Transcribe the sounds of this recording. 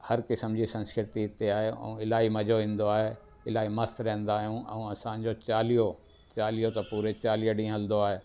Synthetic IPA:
hɐɾkɪsəmd͡ʑisɐ̃nskɪɾɪt̪iɪt̪eaːɦeɛ̰̃ũɪlaːimɐd͡ʑoʋĩːnd̪oaːɦe | ɪlaːimɐst̪ɾɛ̃ɦnd̪aːɦijũʔɛ̰̃ũɐsãɲd͡ʑot͡ɕaːlijo | t͡ɕaːlijot̪ɐpuːɾet͡ɕaːlijəɗĩːɦɐld̪oaːɦeː

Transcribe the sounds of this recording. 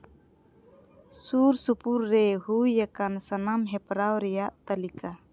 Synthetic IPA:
suɾsupurːɛhujakansanamɦɛpɾawɾɛjaʔt̪alikʰa

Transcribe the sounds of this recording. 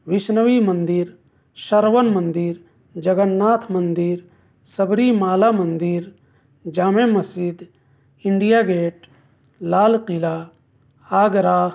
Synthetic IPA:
ʋiʃnəʋimɐnd̪iɾ | ʃɐɾʋənmɐnd̪iɾ | d͡ʒɐɡənːaːt̪ʰmɐnd̪iɾ | sɐbɾimaːlamɐnd̪iɾ | d͡ʒaːmemɐsid̪ | iɳɖijaːɡeːʈ | laːlqilaː | aːɡɾaː

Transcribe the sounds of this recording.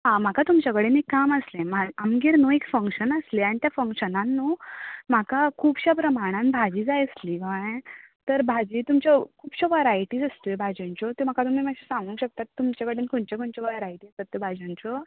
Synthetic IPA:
ɦãm̤akat̪umt͡ɕakəɽenekːaməslẽmaamɡiɾnoekfəŋkɕənəsleanit̪jafəŋkɕənanːuːmakakʰuːpɕapɾəmaɽ̃ãnbʱad͡ʑiːd͡zajslikaẽt̪əɾbʱad͡ʑiːt̪umt͡ɕakʰuːpɕaʋajɾajʈiːd͡zəst̪ojbʱad͡ʑẽɲt͡ɕɔt̪em̤akat̪um̤imaɕisãŋɡũŋkɕək̚t̪at̪ːumt͡ɕakəɽenkoɳt͡ɕakoɳt͡ɕɔʋajɾajʈiasat̪ːebʱad͡ʑãnt͡ɕɔ

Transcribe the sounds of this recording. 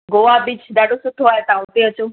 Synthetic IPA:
ɡoːʋabɪt͡ʃɗaːɖosʊt̪ʰoaːɦet̪ɐãʊt̪eət͡ɕoː

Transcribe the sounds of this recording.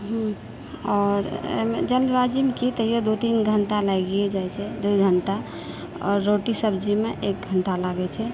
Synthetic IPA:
ɦ | ɔɾḛmḛd͡ʒəlbad͡ʒimekit̪əjod̪ut̪inɡʱəɳʈalaɡied͡ʒajt͡ʃʰɛd̪ujɡʱəɳʈa | ɔ̰ɾːoʈisəbd͡ʒimeʔek̚ɡʱəɳʈalaɡɛt͡ʃʰɛ

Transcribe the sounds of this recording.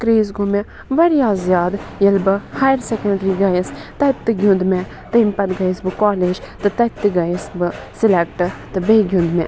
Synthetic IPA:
kɾeːzɡume | ʋɐɾjaːzjaːd̪jɐlbɨhajɾsekɐɳɖɾiɡɐjɐst̪ɐt̪ːɨɡʲũnd̪me | t̪ɨimpɐt̪ɡɐjisbɨkaːleːd͡ʒt̪ɨt̪ɐt̪ːɨɡɐjisbɨsilekʈɨt̪ɨbeːɡʱʲjũnd̪mḛ

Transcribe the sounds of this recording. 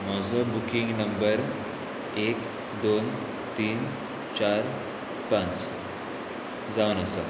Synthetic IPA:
mɔd͡zəbukiŋɡnəmbəɾ | ek | d̪on | t̪iːn | t͡ɕaɾ | pãt͡s | d͡zaənəsə

